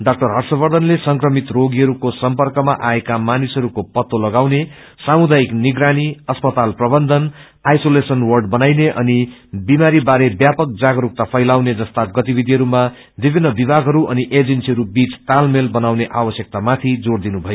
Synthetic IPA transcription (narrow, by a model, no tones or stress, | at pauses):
ɖʌk̚ʈʌrɦʌrsʌbʌrd̪ʱʌnlesʌŋkrʌmit̪roɡiɦʌɾukosʌmpʌrkʌma̰ʔaekamanisɦʌɾukopʌt̪ːolʌɡawne | samud̪aikniɡɾaniʌspʌt̪alprʌbʌnd̪ʱʌn | ajsolesʌnwʌrɖbʌnajneʔʌnibimaɾibaɾebjapʌk̚d͡zaɡɾuk̚t̪apʰʌjlawned͡zʌst̪aɡʌt̪ibid̪ʱiɦʌɾuma | bibʱinːʌbibʱaɡʱɦʌɾuʔʌniʔed͡zensiɦʌɾubit͡st̪almelbʌnawneʔabʌsjʌk̚t̪amat̪ʰid͡zord̪inubʱʌjo